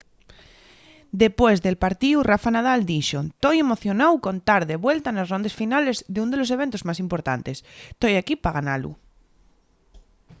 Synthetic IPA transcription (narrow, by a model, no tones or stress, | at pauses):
d̪e̞pwezðe̞lpaɾt̪iurafanað̞ald̪iʃot̪oje̞mo̞θjonawkont̪aɾðeβwe̞lt̪anasro̞nd̪asfinale̞zðeund̪e̞lo̞s̬e̞β̞e̞nt̪ozmasimpo̞ɾt̪a̰nt̪e̞st̪ojakipaɣana̰lṵ